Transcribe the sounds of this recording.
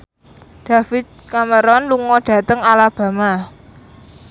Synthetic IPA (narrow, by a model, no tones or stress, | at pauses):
d̪̥a̤fɪt̪̚kaməɾɔnluŋɔɖ̥ä̤t̪əŋalab̥a̤ma